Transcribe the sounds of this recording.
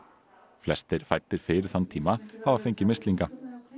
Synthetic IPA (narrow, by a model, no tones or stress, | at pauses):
flɛst̪ɪɾ̥fajɾ̥t̪ɪɾ̥fɪːɾɪ̥θant̪ʰiːmaavafejɲcɪmɪst̪liŋka